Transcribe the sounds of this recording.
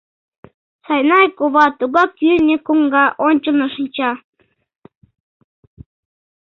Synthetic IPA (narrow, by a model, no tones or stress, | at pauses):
sɑjnɑjkoβɑt̪uɣɑkynʲekuŋɡɑʔonʲt͡ɕəlnɤ̆ʃɨnʲt͡ɕɑ